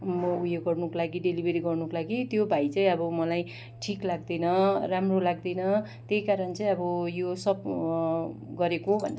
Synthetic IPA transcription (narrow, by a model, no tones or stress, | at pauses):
mʌujoɡʌrnukolaɡiɖelibʱeɾiɡʌrnukolaɡit̪jobʱait͡sʌj̃ʌbʌmʌlaj | ʈʰiklaɡd̪ʌjnʌramrolaɡ̚d̪ʌjnʌ | t̪jejkaɾʌnt͡sʌj̃ʌbʌjosʌp | ɡʌɾekobʱʌn